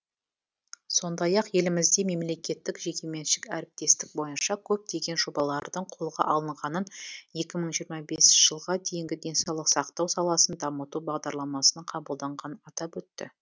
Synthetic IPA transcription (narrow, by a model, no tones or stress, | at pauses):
so̞nd̪ɑjɑqje̞lɪmɪzd̪e̞me̞mle̞kʲe̞t̪ːɪkʒe̞kʲe̞me̞nʃɪkæɾɪp̚t̪e̞st̪ɪk̚bo̞jənʃɑkʲʰɵp̚t̪e̞ɡʲe̞nʒo̞bɑlˠɑɾd̪əɴqʰo̞lˠʁɑ̰ʔɑlˠəɴʁɑnənje̞kʲɪməɴʒijəɾmɑbe̞sʒ̥əlˠʁɑd̪e̞jɪŋɡʲɪd̪e̞nsɑwlˠəqsɑqt̪ɑwsɑlˠɑsənd̪ɑmət̪ubɑʁd̪ɑɾlˠɑmɑsənɑqʰɑbəlˠd̪ɑɴʁɑnɑt̪ɑpwɵt̪ːɪ̰